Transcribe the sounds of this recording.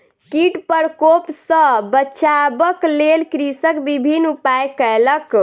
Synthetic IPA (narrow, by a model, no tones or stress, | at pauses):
kiʈpəɾkopsə̃bəːt͡ʃabəklelkɾisəkbibʱinupajkələk